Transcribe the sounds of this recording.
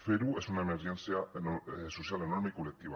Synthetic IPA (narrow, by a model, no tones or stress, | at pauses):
feɾuesunaemeɾʝẽnθjanososjalenoɾmeikolek̚t̪iβa